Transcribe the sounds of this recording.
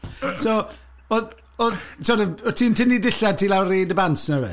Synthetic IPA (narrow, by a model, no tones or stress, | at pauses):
so | ɔð | ɔðsɔɾəɔtʰiːntʰɪnidɪɬad̚tʰiːlawriːdəbansnəwɛ̰